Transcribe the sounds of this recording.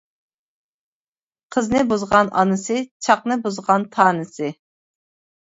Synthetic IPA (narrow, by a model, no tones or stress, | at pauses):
qʰəznɨbuzʁɑnɑ̰nɨsɨt͡ʃʰɑqnɨbuzʁɑnt̪ʰɑːnɨsɨ